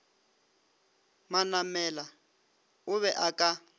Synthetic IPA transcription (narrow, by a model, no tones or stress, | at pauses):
manamɛla | ʊβɛʔakʼa